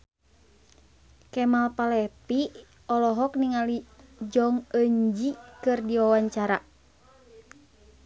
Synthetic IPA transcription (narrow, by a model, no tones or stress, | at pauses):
kɛmalpalɛpi | ɔlɔɦɔk̚niŋalid͡ʒɔŋəɲd͡ʒikɨrdiwawaɲt͡ʃaɾa